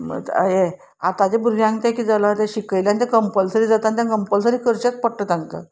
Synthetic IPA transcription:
mə̰t̪ə̰je | a̰t̪ad͡ʑebuɾɡʱjãŋɡt̪ãkiːd͡zalat̪aɕikəjljanit̪̬ãkəmpəlsəɾiːd͡zat̪anit̪jãkəmpəls̬əɾiːkəɾt͡ɕat͡spəɽʈət̪ãŋkə̰

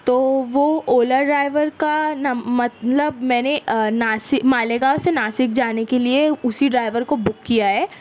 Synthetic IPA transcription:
t̪oːʋooːləɾɖɾaːɪʋəɾkanmɐt̪ləbmɛ̃ːnenaːsɪkmaːleɡaʊsenaːsɪkd͡ʒaːnekelieʊsiɖɾaːɪʋəɾkobʊkːijaɦɛː

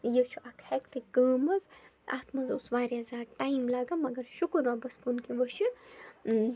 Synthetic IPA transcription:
jət͡ʃʰuʔɐkʰhɛkt̪ɨkəːmɐz | a̰ːt̪ʰmɐzusʋaːɾazaːɾʈajimlaːɡamɐɡɐɾʃukɐɾʋɐbɐskunkiʋɐʃi

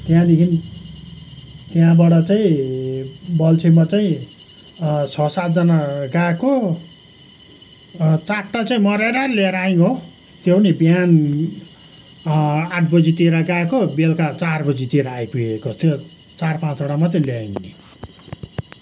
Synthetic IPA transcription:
t̪jãd̪ekʰin | t̪jãbaɽʌt͡saĩ | bʌlt͡sʰemat͡saĩ | t͡sʰʌsat̪̚d͡zʌnaɡaeko | t͡saʈːat͡saĩmʌɾeɾʌleɾaiŋo | t̪jenibjan | aʈ̚ʰbʌd͡zit̪iɾaɡaekobelkat͡sarbʌd͡zit̪eɾaːjpuekot̪jo | t͡sarpãt͡soɽamat͡saĩljaeŋni

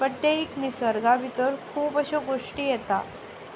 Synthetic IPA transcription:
bəʈ̪ːeiknisəɾɡaʋit̪əɾkʰuːbəɕoɡoʂʈiːjet̪a̰

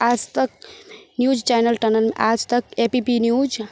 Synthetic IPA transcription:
ad͡ʒt̪ək̚njud͡ʒt͡ʃajnəlʈənəlmḛʔad͡ʒt̪əkepipinjud͡ʒ

